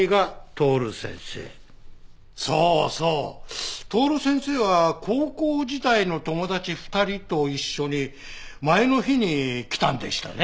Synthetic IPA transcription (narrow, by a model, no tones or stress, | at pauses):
iɡat̪o̞ːɾɯ̟sẽ̞̰ɰ̃se̞̰ː | soːso̞ːt̪o̞ːɾɯ̟sẽ̞ɰ̃se̞ːβakʰoːkoːd͡ʑit̪aino̞t̪o̞mo̞d̪at͡ɕiɸɯ̥t̪aɾʲit̪o̞iɕːoɲ̟i | maeno̞çiɲ̟ikʲi̥t̪ãnd̪e̞̰ɕi̥t̪a̰ne